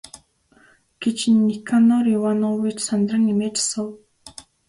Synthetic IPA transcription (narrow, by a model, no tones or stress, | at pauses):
ɡ̥et͡ɕnːikʰanɔɾiwanɔwit͡ɕsand̪rə̆ŋimeːt͡ɕḁsə̆w